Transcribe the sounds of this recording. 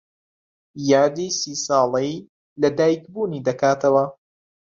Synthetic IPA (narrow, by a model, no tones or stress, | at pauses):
jaːd̪iːsiːsɑːlˠej | lɐd̪aːjkbuːniːd̪ɐkaːt̪ʰɐwɐ